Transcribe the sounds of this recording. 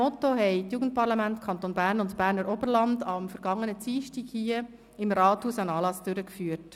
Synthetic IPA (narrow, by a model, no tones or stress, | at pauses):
ɔt̪oɦɛɪtjuːɡənt̚pɑɾlɑmæntkʰɑnt̪oːnbæːɾnʊntb̥æːɾnəɾʔɔbərlɑndɑmfəɾɡ̥ɑŋːənət͡siːʃtiɡhiə | ɪmɾɑːthuːsænɑːlɑsd̥ʏɾəkfyːət